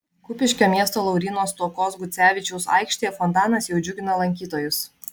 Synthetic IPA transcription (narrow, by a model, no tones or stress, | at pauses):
kʊpʲɪʃʲkʲoːmʲiɛst̪oːlˠɒʊɾʲinoːst̪ɔkɔːsɡʊt̪sʲæːʋʲɪt͡ʃʲɛʊsɑ̰ɪkʃʲt̪ʲejɛfɔnt̪ɑːnɐsjɛʊd͡ʒʲʊɡʲɪnɐlˠɐŋʲkʲiːt̪oːjʊs